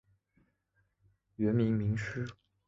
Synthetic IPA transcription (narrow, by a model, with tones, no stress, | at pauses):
ɥɛ˧˥nmi˧˥ŋmi˧˥ŋʂɻ̩˥